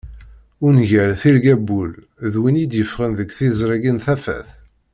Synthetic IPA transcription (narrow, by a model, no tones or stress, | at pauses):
ʊnʝælθilɡæbːul | ðwinid̪jəfʁənðəɡθizɾˤɑɡənθæfæ̰θ